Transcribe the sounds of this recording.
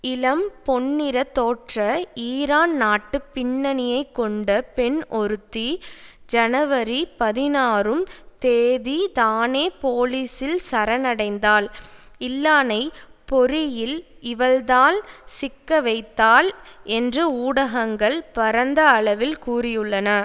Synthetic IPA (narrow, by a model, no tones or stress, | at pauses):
ɪlɐmpɔɳːɪɾɐt̪ːoːʈrɐiːɾaːnnaːʈːɯpːɪɳːɐnɪjɐɪkːɔɳɖɐpɛnʔɔɾɯt̪ːid͡ʒɐnɐʋɐɾipɐðɪnaːrɯmt̪eːðit̪aːneːpoːliːsɪlsɐɾɐnɐɽɐɪnd̪aːl | ɪlːaːnɐɪpɔɾɪjɪlɪʋɐld̪aːlsɪkːɐʋɐɪt̪ːaːlɛndrɯuːɽɐɣɐŋɡɐɭpɐɾɐnd̪ɐːɭɐʋɪlkuːrɪjɯɭːɐnɐ